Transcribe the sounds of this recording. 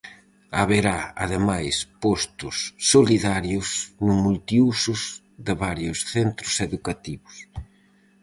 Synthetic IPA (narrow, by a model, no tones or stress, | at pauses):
aβeɾaa̰ðemajspɔst̪ʊsːoliðaɾjʊsnʊmult̪iusʊz | ðɪβaɾjʊsθent̪ɾʊseðukat̪iβʊs